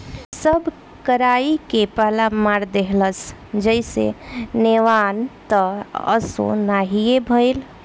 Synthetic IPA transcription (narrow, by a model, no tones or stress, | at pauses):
səb | kəɾaikepəɦlamaɾd̪eɦləsd͡ʒəɪsḛneʋant̪əə̰so̰naɦiebʱəɪl